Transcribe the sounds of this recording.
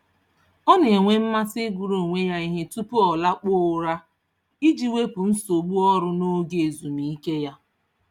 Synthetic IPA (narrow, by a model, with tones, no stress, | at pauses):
ɔ˦ne˨e˨ŋʷe˦m̩˦ma˦sɪ˦ɡu˨ɾo˨ŋʷe˦ja˦i˦ɦe˦tu˦pʊ˦ɔ˨la˦k͡pʊ˦˨ʊ˨˦ɾa˦ | i˦d͡ʒi˦we˦pu˨n̩˦so˨ɡ͡bu˦ɔ˦ɾʊ˦no˦ɡe˨zu˨mi˨i˦ke˦ja˦